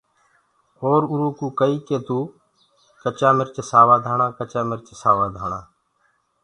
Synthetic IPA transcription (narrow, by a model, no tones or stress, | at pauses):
oːɾʊɾuːkuːkəiːkeːt̪uː | kət͡ʃaːmɪɾt͡ʃəsaːʋaːd̪ʱaːɳãːkət͡ʃaːmɪɾt͡ʃesaːʋaːd̪ʱaːɳaː